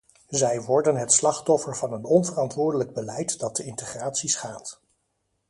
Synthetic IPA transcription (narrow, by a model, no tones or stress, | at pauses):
zɛjʋɔɹdənɦɛtslɑχtɔfəɹvɑnənɔnvərɑntʋʊːɹdələɡ̚bəlɛjtdɑt̚dəɪntəχraːtsisχaːt